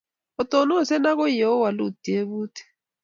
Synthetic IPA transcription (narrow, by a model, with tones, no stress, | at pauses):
ɔ˨tɔ˨nɔ˦˨sɛ˦na˦kɔ˦jɛ˨ɔ˦wa˨lu˦˨d̥i˨e˦βuː˦tʰi̥˨